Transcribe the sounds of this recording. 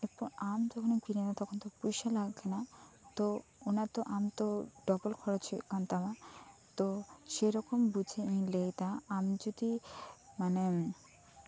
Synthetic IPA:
epɔɾamd͡ʑɔkʰonikiɾenat̪ɔkʰont̪opujʃalaɡbenat̪oonaɾt̪oʔamt̪oɖɔbolkʰɔɾot͡ɕʰḛkant̪amat̪oʃeɾɔkombud͡ʑʱeĩlejt̪aamd͡ʑod̪imane

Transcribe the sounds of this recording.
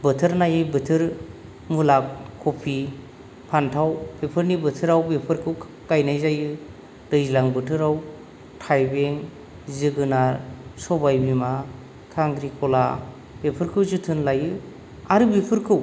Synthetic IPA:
bɯtʰɯɾnajɯbɯtʰɯɾ | mulakʰːopʰi | pʰantʰawbepʰɯɾnibɯtʰɯɾawbepʰɯɾkʰɯw | kajnajzajɯ | dɯjzilaŋbɯtʰɯɾaw | tʰajbeŋ | zɯɡɯnaɾsɔbajbima | kʰaŋdɾikʰɔla | bepʰɯɾkʰɯwzɯtʰɯnlajɯ | aɾɯbipʰɯɾkʰɯw

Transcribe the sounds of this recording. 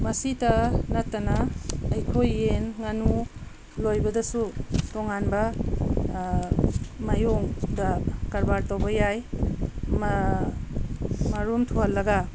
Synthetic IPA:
mɐsitɐnɐtːɐnaːjkʰojːenŋanu | lojbɐdɐsutoŋanbɐ | majoŋdakaɾbaɾtowbɐjaj | m | maɾumtʰuhalːɐɡa

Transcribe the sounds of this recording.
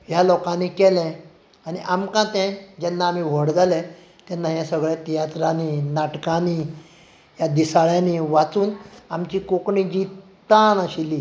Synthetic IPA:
ɦjalɔkãnikɛlɛ̃ | añiʔamkãt̪ɛ̃d͡ʑɛnːaːm̤iʋ̤əɽd͡zalɛ̃ | t̪ɛnːãjãsəɡɭɛt̪ijat̪ɾaninaʈkani | ɦjad̪isaɭjaniʋat͡suːnamt͡ɕiːkokɳĩd͡ʑi | t̪anəɕiliː

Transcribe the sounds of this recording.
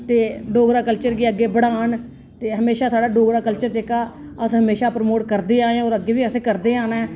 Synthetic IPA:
t̪eːɖoːɡɾaːkəlt͡ʃəɾɡiːəɡːeːbəɽaːn | t̪eːɦəmeːʃaːsaːɖaːɖoːɡɾaːkəlt͡ʃəɾt͡ʃeːkaː | əsɦəmeːʃaːpɾmoːʈkəɾd̪eːaːeãoːɾəɡːeːʋiːəseːkəɾd̪eːaːnaɛː

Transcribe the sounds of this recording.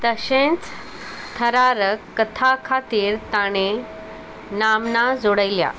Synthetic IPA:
t̪əɕẽnt͡s | t̪ʰəɾaɾəkːət̪ʰakʰat̪iːɾt̪aɽ̃e | namnad͡zoɽəjlja̰

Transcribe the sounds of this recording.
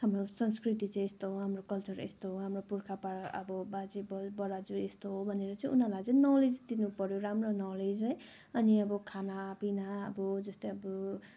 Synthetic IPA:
ɦamrosʌnskrit̪it͡sʌĩest̪oɦoɦamrokʌlt͡sʌɾḛst̪oɦɦamropurkʰapaɾʌ̰bʌbad͡zibʌbʌɾad͡zuest̪oɦobʱʌneɾʌt͡sʌ̃ĩʔunalajt͡sʌ̃nʌled͡zd̪inupʌɾjoɾamronʌled͡zʌj | ʌniʌbʌkʰanapinaʌ̰bʌd͡zʌst̪eʌbʌ

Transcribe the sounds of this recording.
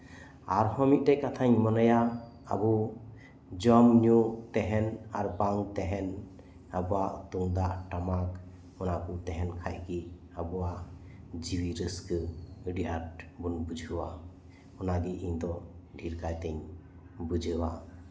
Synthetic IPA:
aɾhɔmit̪̚ˀtɛkat̪ʰaɲmɔnaja | a̰bu | d͡ʒɔmɲut̪ɛɦɛnaɾbaŋt̪ɛɦɛn | abɔaʔt̪uŋd̪aʔʈamak | ɔnakut̪ɛɦɛnkʰa̰jki | abuwaʔ | d͡ʒiwiɾəskɯɖiʔaʈbunbud͡ʒʱuwa | ɔnaɡiʔiɲd̪ɔɖʱiɾkajt̪ɛɲ | bud͡ʒʱəwa

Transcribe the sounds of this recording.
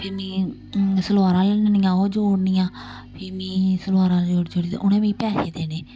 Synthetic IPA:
pʰɪːmĩː | səlʋaːɾaːlenəniːãːoːd͡ʒoːɽnĩːãː | pʰiːmĩːsəlʋaːɾãːld͡ʒoːɽd͡ʒoːɽḭːʔʊnẽːmĩːpɛːʃeːd̪eːneː

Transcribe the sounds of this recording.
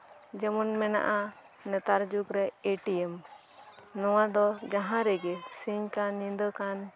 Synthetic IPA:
d͡ʒɛmɔnmɛna̰ʔa | nɛt̪aɾd͡ʒukɾɛeʈijɛm | nɔwad̪ɔd͡ʒãɦãɾɛɡɛsiɲkanːĩnd̪əkan

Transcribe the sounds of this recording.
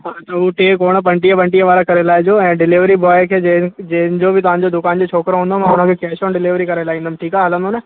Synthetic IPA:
ɦaːt̪ɐʊʈeːkoːɽ̃pɐ̃ɳʈijapɐ̃ɳʈijaʋaːɾakɐɾelaːɪd͡ʑoːɛ̃ːɖɪlɪʋɾibɔːjkʰeːd͡ʑed͡ʑeɦɪnɪd͡ʑobʱɪt̪ɐʋ̤ãːɲ̆d͡ʑod̪ʊkaːnd͡ʑoːt͡ɕʰoːkɾoɦũːnd̪omãːʊn̤ə̃kʰekɛːʃõnɖɪlɪʋɾikɐɾelaːɦĩːnd̪əmʈʰiːkaɦɐlə̃nd̪one

